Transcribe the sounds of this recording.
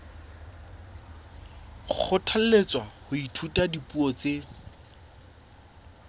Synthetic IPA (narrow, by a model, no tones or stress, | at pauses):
k͡xʰʊtʰal̩let͡swahʊitʰutadipuɔt͡se